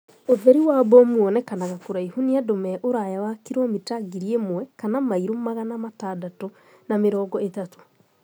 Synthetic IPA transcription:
oðɛɾiwabɔmuɔnɛkanaɣakoɾaihuniadomɛʔoɾajawakiɾomitaɡiɾiemwɛkanamaiɾomaɣanamataːdato | nameɾɔːɡɔetato̥

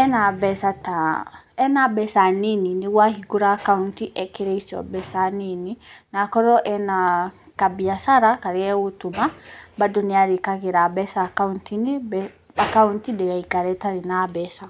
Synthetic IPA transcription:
ɛnabɛsata | ɛnabɛsanininiɣwahiɡuɾakauntiʔɛkiɾɛisɔ̰bɛsanininakɔɾɔʔɛnakabiasaɾakaɾiɛwutumabadɔniaɾikaɣiɾabɛsakauntinib | akauntidɛɣaikaɾɛtaɾinabɛsa

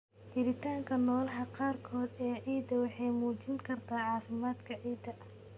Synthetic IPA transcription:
t͡ʃɪɾɪt̪ʰaːŋkʰɐnɔːlɐɦɐqɑːrkʰɔːd̪ɛːʕiːd̪ɐwɑħɑjmuːt͡ʃɪŋkʰɐrt̪ʰaːʕɑːfɪmaːd̪kʰɐʕiːd̪ɐ

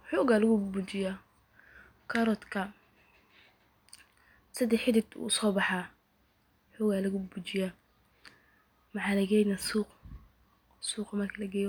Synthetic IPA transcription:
ħuːɣalɐɣʊbut͡ʃɪja | kʰɐɾɔt̪kʰɐ | sɐd̪ɛħɪdɪd̪ṵːsɔːbɑħa | ħuːɣalɐɣʊbut͡ʃɪja | mɑħaːlɐɡɛːjnasuːq | suːqɐmɐrkʰɐlɐɡɛːj

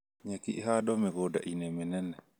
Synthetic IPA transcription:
ɲakḭʔɦadomeɡoda̰ʔinemenɛne

